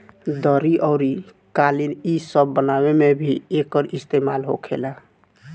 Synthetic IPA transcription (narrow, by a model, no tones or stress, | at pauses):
d̪əɾiʔɔʊɾi | kalinisəbːənabemebʱiekəɾist̪emalɦo̰kʰḛla